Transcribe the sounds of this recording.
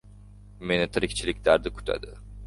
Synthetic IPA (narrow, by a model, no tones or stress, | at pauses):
me̞nɪt̪ʰɨɾikʲt͡ʃʰilʲikʲlʲæɾd̪ɪkʰu̥t̪ʰa̰d̪ɪ